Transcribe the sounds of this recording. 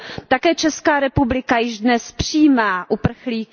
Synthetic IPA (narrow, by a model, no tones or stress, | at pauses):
t̪akɛːt͡ʃɛskaːɾɛpublɪkajɪʒdnɛspr̝̥iːmaːʔupr̩xliːk